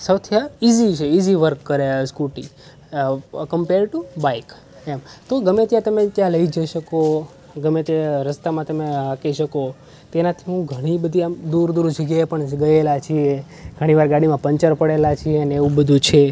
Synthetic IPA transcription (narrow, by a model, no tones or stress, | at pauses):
səwt̪ʰjəizit͡ʃʰeiziʋəɾkːəɾeskuʈi | kəmpeɾɖʈubaik | emt̪oɡəmet̪jãt̪əmet̪jãləid͡ʒəʃəko | ɡəmet̪jaɾəst̪amãt̪əmeakiʃəko | t̪enat̪ʰiɦũɡʱəɽ̃ibəd̪ʱiamd̪uɾd̪uɾd͡ʒəɡjaepəɳɡəjelat͡ʃʰie | ɡʱəɽ̃iʋaɾɡaɽ̃imãpəɲt͡ʃəɾpəɽelat͡ʃʰieəneeʋũbəd̪ʱũt͡ʃʰe